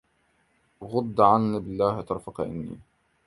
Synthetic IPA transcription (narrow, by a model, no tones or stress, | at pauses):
ɣʊd̪ːʕanːibɪlːaːht̪ɑɾˤfɑqʔɪ̰nːḭː